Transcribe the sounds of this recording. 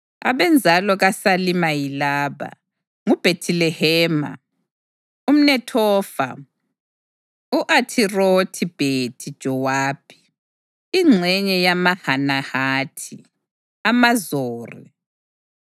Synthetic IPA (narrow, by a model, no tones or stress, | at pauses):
a̰βɛnd͡zʱalɔɣasalimajilaːβa̰ | ŋub̥ʱetʰilɛhɛːma̰ | um̩nɛtʰɔːfa̰ | uʔatʰirotʰib̥ʱetʰid̥ʒ̥ʱɔwaːb̥ʰʱʼi̥ | iŋ͡ǀʱɛɲɛjamahanahaːtʰi | amazoːrḭ